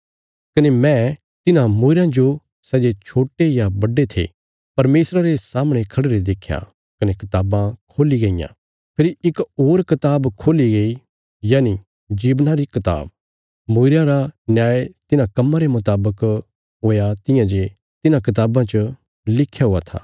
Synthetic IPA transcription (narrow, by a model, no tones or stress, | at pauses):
kɐnemɛ̃ | t̪ɪnãmoːɪɾãd͡ʒo | sɛːd͡ʒet͡ʃʰoːʈejabɐɖːet̪ʰḛ | pɐɾmeːsɾaɾesaːmɽ̃ekʰɐɽɾed̪eːkʰːja̰ | kɐnekɪt̪aːbãkʰoːliɡɐijã̰ | pʰeːɾiɪkoːɾkɪt̪aːbkʰoːliɡɐi | jaːni | d͡ʒiːbnaɾikɪt̪a̰ːb | moːɪɾãɾanjaːet̪ɪnãkɐmːãɾemʊt̪aːbək | ɦoːjat̪ɪjãd͡ʒe | t̪ɪnãkɪt̪̬aːbãt͡ʃə | lɪkʰːjaɦʊat̪ʰa̰ː